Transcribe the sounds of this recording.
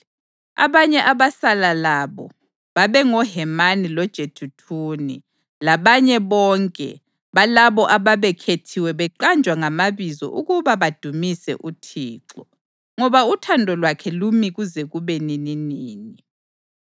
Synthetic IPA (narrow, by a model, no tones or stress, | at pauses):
a̰βaɲɛʔaβasalalaβɔ̰ | βaβɛŋɔɦɛmanilɔd̥ʒ̥ʱetʰutʰuːnḭ | laβaɲɛβɔŋkʼɛ̰ | βalaβɔʔaβaβɛkʰetʰiwɛβɛǃand͡ʒʱwaŋamaβizɔ̰ʔuɣuβaβad̥ʱumisɛ̰ʔutʰiːǁɔ | ŋɔβautʰandʱɔlwakʰɛlumiɣuzɛɣuβɛnininiːni